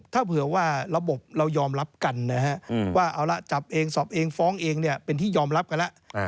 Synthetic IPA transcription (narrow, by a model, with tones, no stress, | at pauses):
t̪ʰaː˥˩pʰɯ˨˩˦waː˥˩ɾa˧bo˨˩p̚ɾa˧wjɔː˧mɾa˦˥p̚ka˧nːa˦˥ɦa˦˥ʔwaː˥˩ʔaː˨˦wla˧˦t͡ɕa˨˩p̚ʔeː˧ŋsɔː˨˩p̚ʔeː˧ŋfɔː˦˥ŋʔeː˧ŋni˥˩ɐpe˧nt̪ʰiː˥˩jɔː˧mɾa˦˥p̚ka˧nla˦˥ʔ